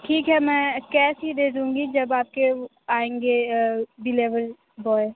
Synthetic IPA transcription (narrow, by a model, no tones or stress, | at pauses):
ʈʰiːkɦɛmɛ̃ːkɛːsɦid̪eːd̪ũːŋɡid͡ʒɐbaːp̚ke | aːẽːŋɡebɪleːʋəɾ | bɔːe